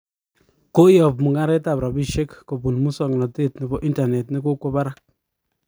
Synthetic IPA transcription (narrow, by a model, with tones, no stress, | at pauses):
ko˦jɔ˨pmu˨ŋɡa˦ɾɛ˦ta˨pɾa˨bi˦˨ʃe˦kːo˨bu˨nmu˦sɔ˨ŋ˨nɔ˨te˦tni˨bɔ˦ʔi˦nta˨nɛ˨tni˦ko˦kwɔ˦ba˦ɾa˦k̚